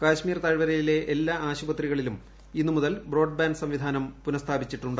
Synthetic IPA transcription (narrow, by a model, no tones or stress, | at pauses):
kaːɕmiːrt̪ɐɻʋɐɾɐjile̞ʔelːaːaːɕubɐt̪riɣɐɭilum | inːumuðɐlbro̞ːɖ̚baːnɖsɐmʋid̪ʱaːnɐmpunɐst̪ʰaːbit͡ɕːiʈːuɳɖ